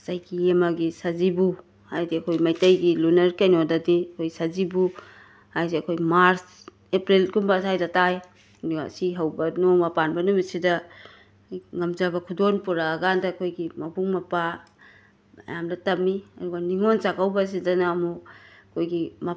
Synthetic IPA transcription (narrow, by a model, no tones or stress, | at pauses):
sajkiemɐɡisazibu | hajdiɐkʰojmɐjtɐjɡilunɐɾkajnodɐdiɐkʰojsazibu | hajseɐkʰojmaɾs | epɾilɡumbasajdɐtaj | dɡa̰siɦɐwbɐnomɐpanbɐnumisidɐ | ŋɐmzabɐkʰudonpuɾaːɡandɐkʰojɡimɐbuŋmɐpa | mɐ̰jamdɐtɐmːiɐduɡɐniŋont͡ʃakawbɐs̬idɐnaːmukʰojɡimɐ